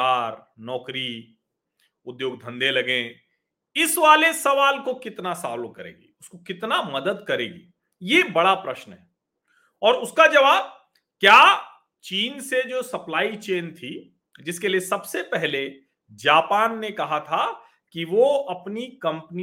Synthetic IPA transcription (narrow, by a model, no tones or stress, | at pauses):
aːɾ | nɔːkɾi | ʊd̪joːɡ̚d̪ʱɐ̃nd̪elɐɡẽː | ɪsʋaːlesɐʋaːlkokɪt̪nasa̰ːlõkɐɾḛːɡḭʊskokɪt̪namɐd̪əd̪kɐɾḛːɡḭː | jebɐɽapɾɐʃnɦɛː | ɔːɾʊskad͡ʒɐʋaːb̚ | kjaː | t͡ʃiːnsed͡ʒoːsɐplaːit͡ʃeːnt̪ʰi | d͡ʒɪskeliesɐbsepɛɦle | d͡ʒaːpaːnːekɐɦat̪ʰa | kiʋoɐpnikɐ̃mpni